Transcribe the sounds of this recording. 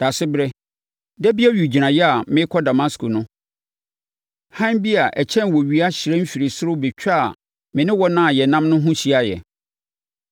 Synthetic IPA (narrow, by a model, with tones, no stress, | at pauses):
d̥a˨sɪ˦bɾɛ˦ | dɛ˦bi˦ɛ˦ɥu˨d͡ʑi˨ɾã˨jɛ˦a˨mɪ̃˦kʰɔ˦da˨ma˦skʰo˨nʊ̃˦ | hã˦nbi˦a˨ʔɛ˨t͡ɕʰɛ̃˦nwɔ˨ɥi˦a˦ɕɪ˨ɾɛ˦m̩˦fi˨ɾi˨sʊ˦ɾʊ˦be˨t͡ɕᶣa̰˦˨ | mɪ̃˨nɪ̃˦wɔ˦nã˦˨jɛ˨nã˦mnʊ̃˦ɦʊ̃˦ɕi˦a˦jɛ̰˨